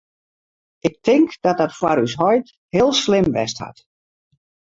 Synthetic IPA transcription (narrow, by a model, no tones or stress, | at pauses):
ʔɪk̚tʰɪŋkd̥ɔt̚dɔtfwaɾysɦɔjt | hɪːlˠslɪmʋɛ̰stha̰t